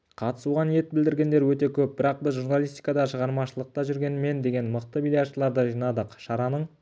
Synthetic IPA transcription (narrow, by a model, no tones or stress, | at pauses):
qʰɑt̪ə̥suʁɑnije̞t̪̚bɪld̪ɪɾɡʲe̞nd̪e̞ɾwɵt̪e̞kʲʰɵp̚bɪɾɑq̚bɪzʒuɾnɑlˠist̪i̥jkɑd̪ɑʃəʁɑɾmɑʃəlˠəq̚t̪ɑʒʏɾɡʲe̞nme̞nd̪e̞ɡʲe̞nməq̚t̪əmilʲijat̪ʃəlˠɑɾd̪əʒijnɑd̪əqʃɑɾɑnəɴ